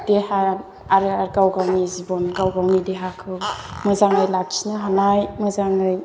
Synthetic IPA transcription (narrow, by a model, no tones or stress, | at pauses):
d̥eha | aɾɯaɾkawɡawnizibɔnkawɡawnideɦakʰɯmɯzaŋɯjlak̚t͡ʃʰi̥naɦanajmɯzaŋɯj